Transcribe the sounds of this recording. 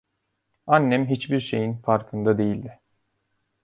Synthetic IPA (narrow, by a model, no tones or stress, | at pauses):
anːɛmɦit͡ʃbiɾʃe̞jinfaɾkʰɯnd̪ad̪e̞jilʲd̪ɪ